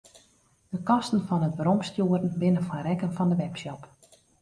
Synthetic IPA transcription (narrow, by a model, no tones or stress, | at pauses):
d̥əkɔstən̩fɔnətʋəɾɔmstjuəɾən̩bɪnəfɔrɛkənfɔndəʋɛpsjɔp